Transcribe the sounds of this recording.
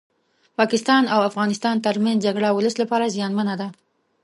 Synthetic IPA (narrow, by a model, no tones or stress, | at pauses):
pɑkɪst̪ɑnawafɣɑnɪst̪ɑnt̪əɾmanzd͡ʒaɡɽawʊləslapɑɾazjɑnmanad̪a